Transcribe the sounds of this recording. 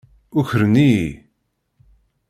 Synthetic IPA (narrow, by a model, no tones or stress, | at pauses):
ʊçəɾəni